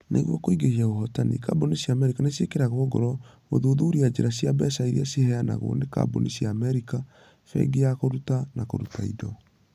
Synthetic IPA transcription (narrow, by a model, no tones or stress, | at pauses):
nʔḛɣwɔkoiɡeiaoɦɔtanḭka̰bonisjaːmɛɾikanesiekeɾaɣwɔɡɔ̰ɾɔ | moðoðuɾiad͡ʑeɾasiabɛsaiɾiasehɛana̰ɣo̰neka̰bo̰nisiaːmɛɾika | fɛ̰ɡeakoɾutanakoɾutaḭdɔ